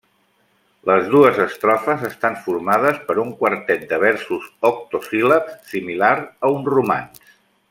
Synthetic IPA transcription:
ləzðuəzəst̪ɾɔfəzəst̪aɱfuɾmað̞əspəɾuŋkwəɾt̪ɛt̪̚d̪əβ̞ɛɾsuzɔk̚t̪ofiləpssimilaɾəunruma̰ns

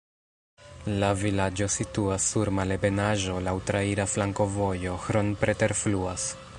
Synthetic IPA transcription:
lavilad͡ʒo̞situasːuɾmale̞be̞naʒo̞lawtɾaiɾaflaŋko̞vo̞jo̞xɾo̞npɾe̞te̞ɾfluas

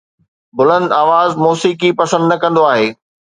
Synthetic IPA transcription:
bʊlə̃nd̪aːʋaːzmoːsiːkipɐsə̃nd̪nɐkɐ̃nd̪oaːɦeː

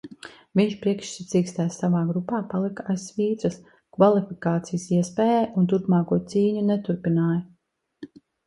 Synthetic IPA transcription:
viɲt͡ʃpɾiɛkʃsit̪siːkst̪aːssavaːɡɾupaːpalˠikajsviːt̪ɾɐs | kvalˠifikaːt̪sijəsiɛspɛːjɛːjunt̪̬uɾpmaːkuɔt̪siːɲunɛt̪uɾpinaːjɐ

